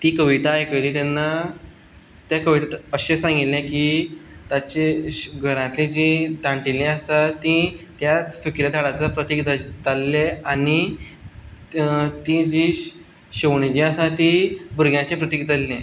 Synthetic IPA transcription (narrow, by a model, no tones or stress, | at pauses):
t̪iːkəʋit̪aːjkəliːt̪anːa | t̪jakəʋit̪at̪əɕesãŋɡit̪lẽkit̪at͡ɕeɡʱəɾãt̪lid͡ʑid̪ãɳʈilẽəst̪at̪ĩt̪jasukiɾat̪ʰaɽat͡sapɾət̪ikt̪at̪alːeani | t̪id͡ʑi | ɕeʋɳ̃id͡ʑiasat̪ibuɾɡjãt͡ɕepɾət̪ikt̪alːẽ